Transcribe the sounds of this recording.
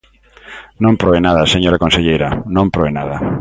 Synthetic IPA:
nõmpɾoβenaðɐseɲoɾakõnseʎejɾɐnõmpɾoβenaðɐ

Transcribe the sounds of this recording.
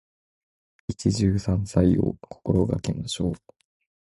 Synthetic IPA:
it͡ɕiʑɨːsãñsaio̰kʰo̥ko̞ɾo̞ɡa̰kemaɕo̞ː

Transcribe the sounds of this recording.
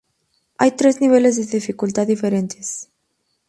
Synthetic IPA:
a̰jt̪ɾezniβelezðeðifikult̪at̪ːifeɾent̪ʰes

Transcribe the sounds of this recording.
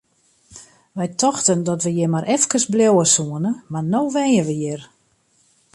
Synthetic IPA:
ʋɛjtʰɔxtəndɔtʋəjɪmaɾʔɛfkərsbljowəsuənəmarnoːʋɛjəʋəjɪr

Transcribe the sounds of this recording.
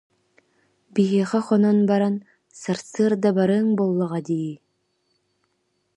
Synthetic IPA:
biɦiɛχɛχɔnɔnbaɾan | saɾsɯɐɾd̪abaɾɯːŋbolˠːaʁad̪iji

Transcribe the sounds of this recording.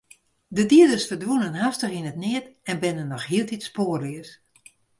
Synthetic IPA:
dədiədəsfərdʋunənɦastəxinətnɪətɛnbɪnənːɔxhiəlˠtitspoːrɪəs

